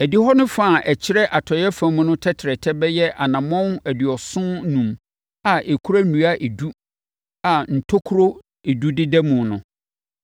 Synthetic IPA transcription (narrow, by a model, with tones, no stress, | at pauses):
æ˨di˦hɔ˦nʊ̃˦fa˦˨ʔɛ˨t͡ɕʰɪ˦ɾɛ˦ʔa˨tʰɔ˨jɛ˦fã˨mũ˦nʊ̃˦tʰɛ˦tʰɪ˨ɾɛ˨tʰɛ˦bɛ˦jɛ˦ʔa˨nã˨mɔ̃˦næ˨dɥɔ˨sʊ̃˦nũ˨m | a˨ʔe˨kʰu˦ɾa˦nũ˨˦a˦ʔe˨du˦ | a˨n̩˨tʰo˦kʰu˦ɾo˦ | e˨du˦dɪ˦dɛ˦mũ˨nʊ̃˨